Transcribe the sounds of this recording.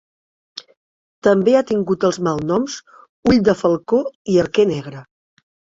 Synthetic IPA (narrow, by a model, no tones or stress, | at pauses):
t̪əmbeat̪iŋɡut̪əlˠzmalˠnɔms | uʎd̪əfəlˠkoiəɾkenɛɣɾə